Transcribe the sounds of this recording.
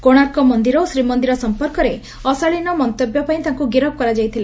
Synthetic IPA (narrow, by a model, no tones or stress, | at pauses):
koɽ̃aɾkɔmɔnd̪iɾɔosɾimɔnd̪iɾɔsɔmpɔɾkɔɾe | ɔsɔɭinɔmɔnt̪objɔpaĩt̪aŋkuɡiɾɔb̚kɔɾad͡ʒajt̪ʰila